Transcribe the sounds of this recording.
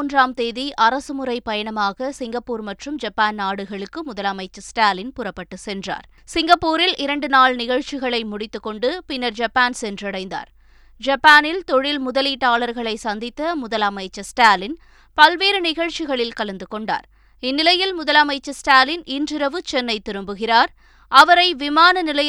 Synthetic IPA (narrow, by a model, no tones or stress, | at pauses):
ndraːmt̪eːðiʔɐɾɐsɯmʊɾɐɪpɐjɐɳɐmaːɣɐsɪŋɡɐpːuːɾmɐʈrɯmd͡ʒɐpːaːnnaːɽɯɣɐɭɯkːɯmʊðɐlɐmɐɪt͡ʃːɐsʈaːlɪnpʊrɐpːɐʈːɯsɛndra̰ːɾ | sɪŋɡɐpːuːɾɪlʔɪɾɐɳɖɯnaːɭnɪɣɐɻt͡ʃɪɣɐɭɐɪmʊɽɪt̪ːɯkːɔɳɖɯpɪnːɐɾd͡ʒɐpːaːnsɛndrɐɽɐɪnd̪a̰ːɾ | d͡ʒɐpːaːnɪlt̪ɔɻɪlmʊðɐliːʈːaːlɐɾɣɐɭɐɪsɐnd̪ɪt̪ːɐmʊðɐlɐmɐɪt͡ʃːɐsʈaːlɪn | pɐlʋeːɾɯnɪɣɐɭt͡ʃɪɣɐɭɪlkɐlɐnd̪ɯkɔɳɖa̰ːɾ | ɪnːɪlɐjɪlmʊðɐlɐmɐɪt͡ʃːɐsʈaːlɪnɪndrɪɾɐʋɯt͡ʃɛnːɐɪt̪ːɪɾɯmbɯɣɪraːɾ | ɐʋɐɾɐɪʋɪmaːnɐnɪlɐj